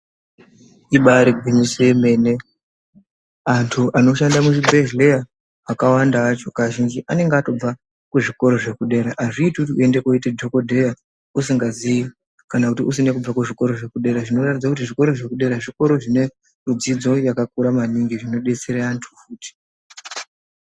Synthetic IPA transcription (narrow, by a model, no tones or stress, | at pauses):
iɓaɾiɡʱwiɲisojeme̞ne̞ | antʰuʔano̞ʃandamuʐibʱeʒleja | akawandaːt͡ʃo̞kaʒind͡ʒiʔane̞ŋɡeato̞b͡va | kuʐiko̞ɾo̞ʐe̞kuɗe̞ːɾaʔːʐiːtiutiue̞ndekoitedʱoko̞dʱeja | usiŋɡazii | kanakutius̬ine̞kub͡vakuʐiko̞ɾo̞ʐe̞kuɗe̞ɾaʐino̞ratid͡zakutiʐiko̞ɾo̞ʐe̞kuɗe̞ɾaʐiko̞ɾo̞ʐine̞ | rud͡zid͡zo̞jakakuɾamaniŋɡiʐino̞ɗe̞t͡seɾeantʰu̥fuːti̥